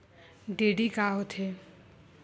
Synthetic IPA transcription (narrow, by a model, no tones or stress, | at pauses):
ɖeɖikaɦot̪ʰe